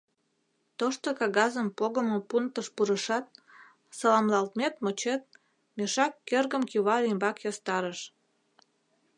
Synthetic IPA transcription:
t̪oʃt̪okɑɣɑzəmpoɣəmopunt̪əʃpuɾəʃɑt̪̚ | sɑlɑmlɑlt̪met̪mot͡ɕet̪̚ | meʃɑkːerɣəmkiβɑɾimbɑkjɑst̪ɑɾəʃ

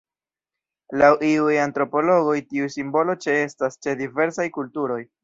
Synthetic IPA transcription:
lawʔiujantɾo̞po̞lo̞ɡo̞jtiusimbo̞lo̞t͡ʃe̞e̞stast͡ʃe̞dive̞ɾsajkultuɾo̞j

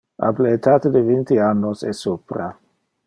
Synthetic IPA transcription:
a̰blet̪aːt̪ed̪evint̪ianːosɛsupɾa

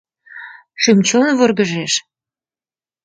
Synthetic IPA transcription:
ʃymt͡ɕonvorɣə̆ʒeʃ

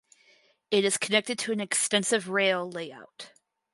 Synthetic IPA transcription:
ɨɾɨz̥kʰənɛk̚tɨd̚tʰɨɨ̃nɨkstɛ̃nsɨvɹeɪlˠleɪa̰ʊt

